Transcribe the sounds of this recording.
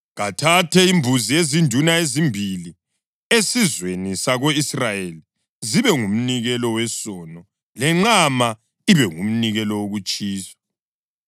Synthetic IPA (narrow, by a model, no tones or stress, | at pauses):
ɣatʰatʰɛimbʱuziezindʱunaezimbʱili | esizwenisaɣoisrajeli | ziβɛŋum̩niɣɛlɔwɛsɔːnɔ | lɛŋ͡ǁama | iβɛŋṵm̩niɣɛlɔwoɣut͡ʃʼiːsḁ